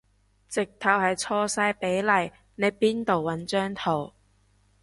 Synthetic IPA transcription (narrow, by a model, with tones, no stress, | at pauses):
t͡sɪ˨k̚t̪ʰɐ˨˧whɐ˨jt͡sʰɔː˧saː˧˥jpe˨˥jlɐ˨˩j | ne˨˧jpiː˥nt̪o˨˩wːɐ˨˥nt͡ʃœː˥ŋt̪ʰo˨˩w